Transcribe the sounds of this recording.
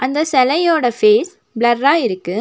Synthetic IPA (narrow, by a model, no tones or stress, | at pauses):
ʔɐnd̪ɐsɛlɐjoːɽɐfeːs | blɐɾːaːɪɾɯkːɯ